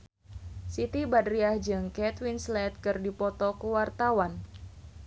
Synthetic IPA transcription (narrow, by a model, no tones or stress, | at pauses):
sit̪ibadɾiahd͡ʒɨŋkɛt̪winslɛt̪̚kɨrdipɔt̪ɔkuwart̪awan